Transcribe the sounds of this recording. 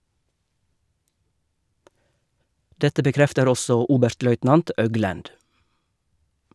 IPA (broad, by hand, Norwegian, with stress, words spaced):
ˈdɛtə bəˈkɾɛftəɾ ˈɔsɔ ˈuːbʉɾtˌlœʏtnɑnt ˈʔœɡlʉnd